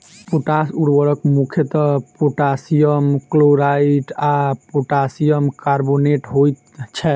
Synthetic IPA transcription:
poʈasuɽbəɾəkmukʰjet̪ɔpoʈasijəmkloɾaiʈapoʈasijəmkaɾboneʈɦojt̪̚ | t͡ʃʰɛ

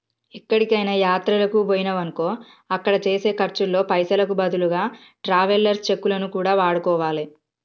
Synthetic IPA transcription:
ikːɐɽikɐjnɐjaːt̪ɾɐlɐkuboːjinɐʋɐŋko̞ː | ɐkːɐɽɐt͡ʃe̞ːse̞ːkɐɾt͡ʃulːo̞ːpɐjsɐlɐkubɐd̪uluɡaː | ʈɾaːʋɐlːɐɾst͡ʃe̞kːulɐnukuːɽaːʋaːɽukɔːʋaːli

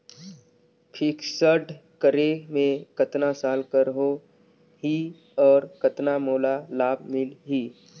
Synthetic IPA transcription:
pʰɪksəɖkəɾemẽkɐt̪nasaːlkəɾɦo | ɦi | ɔːɾkət̪namoːlalaːbmɪlɦiː

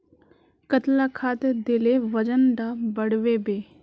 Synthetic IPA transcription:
kət̪lakʰaːt̪ed̪ɪleʋəd͡ʒənɖ̪abəɽʋebeː

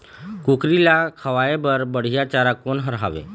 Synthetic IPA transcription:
kukɾilakʰəʋaebəɾbəɽ̤ijat͡ʃaɾakonɦəɾɦaʋḛ

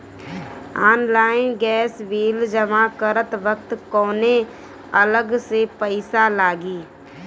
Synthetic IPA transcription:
aːnlaːɪnɡɛːsʋiːld͡ʒəmakəɾət̪ʋək̚t̪kɔːne | ələɡsepəɪsalaːɡiː

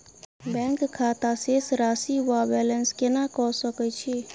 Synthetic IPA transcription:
bɛ̃ŋkkʰːat̪asesɾasiʋabɛlenskenãkɔsəkət͡ʃʰe

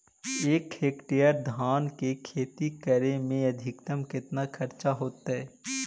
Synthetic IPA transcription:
eːkeːkʈijəɾd̪ʱaːnkekʰeːt̪ikəɾemẽɐd̪ʱɪkt̪əmkɪt̪nakʰɐɾt͡ʃaɦoːt̪aɦɛː

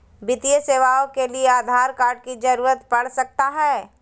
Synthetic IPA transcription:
bɪt̪ijəseːʋaːõkelieaːd̪ʱaːɾkaːɾɖ̚kid͡ʒɐɾuːɾət̪pɐɽ̤sɐk̚t̪aɦɛː

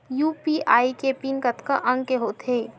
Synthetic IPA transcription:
juːpiʔaːikepinkɐt̪kəʔɐ̃ŋɡkeɦoːt̪ʰeː

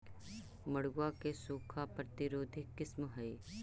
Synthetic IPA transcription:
mɐɽɡwakesuːkʰapɾət̪ɪɾoːd̪ʱɪkːɪsmɦɐi

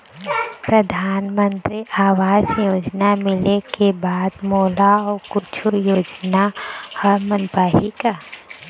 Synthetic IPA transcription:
pɾəd̪ʱaːnmə̃nt̪ɾiʔaːwaːzjoːd͡ʒnamɪlekebaːd̪mɔːlaɔːɾkʊt͡ʃʰujoːd͡ʒnahɔɾmənpaːɦika

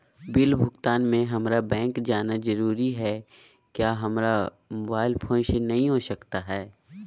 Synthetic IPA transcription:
bɪlbʱʊɡt̪aːnmẽɦɐmɾabɛ̃ːŋkd͡ʒaːnazɐɾuːɾiɦɛ | kjaːɦɐmɾa | mʊbaːɪlpʰõʃnɐɦĩɦoːʃɐkt̪aɦɛː

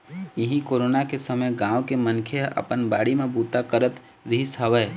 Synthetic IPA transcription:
iɦĩkoɾonakesəməjɡãʊkemənkʰeə̰pənbaɽimebut̪akəɾət̪ | ɾɦisɦəʋə

